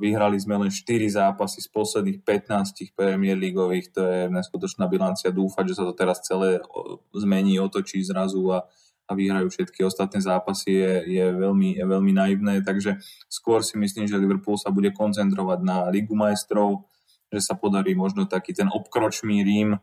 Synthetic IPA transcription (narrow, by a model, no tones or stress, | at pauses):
ʋiɦɾalizmɛlɛnʃt̪iɾizaːpasispɔslɛd̪niːxpɛt̪naːscixpɾɛmɪɛɾliɡɔʋiːxt̪ɔjɛnɛskut̪ɔt͡ʃnaːbilant͡siad̪uːfaɟʒɛsat̪ɔt̪ɛɾast͡sɛlɛːzmɛɲiːɔt̪ɔt͡ʃiːzɾazuaː | ʋiɦɾajuːfʃɛt̪kiɔst̪at̪nɛːzaːpasijɛjɛʋɛʎmiʋɛʎminaiʊnɛːt̪aɡʒɛskʊɔɾsimisliːmʒɛliʋr̩puːlsabuɟɛkɔnt͡sɛnt̪̬ɾɔʋaɟnaliɡumajɛst̪ɾɔʊ | ʒɛsapɔd̪aɾiːmɔʒnɔt̪akiːt̪ɛnʔɔpkɾɔt͡ʃniːɾiːm